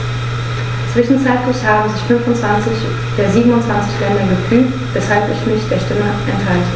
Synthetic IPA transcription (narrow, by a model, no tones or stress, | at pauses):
t͡sv̥ɪʃn̩t͡saɪtlɪçhaːbm̩zɪçfʏnfʊntt͡sv̥ant͡sɪç | d̥eːɐziːbm̩ʊntt͡sv̥ant͡sɪçlɛndɐɡəfyːk̚tvɛshalpɪçmɪçd̥eːɐʃtɪməʔɛnthaltə